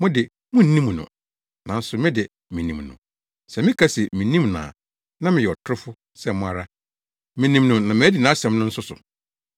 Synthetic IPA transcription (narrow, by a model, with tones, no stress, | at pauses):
mʊ̃˦dɪ˨ | mʊ̃˦n̩˨˦nĩ˦m˨nʊ̰̃˨ | nã˨n̩˦sʊ˨mɪ̃˦dɪ˨ | mĩ˨nĩ˨mnʊ̰̃˨ | sɛ˨mɪ̃˦kʰa˦sɛ˨mĩ˨˦nĩ˦mnã̰ː˨ | nã˦mɪ̃˨jɛ˨ɔ˨tʰʊ˦ɾʊ˦fʊ˦ | sɛ˦mʊ̃˨a˨ɾa˦ | mĩ˨nĩ˨mnʊ̃˨nã˨mɪ̃˦æ˦dɪ˨nã˨˦sɛ̃˨mnʊ̃˦n̩˦sʊ˦sʊ̰˨